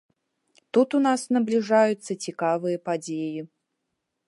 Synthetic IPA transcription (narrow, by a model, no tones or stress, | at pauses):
t̪ut̪unasnɐblʲiʐajut̪sːɐt͡sʲikavɨjɐpad͡zʲeji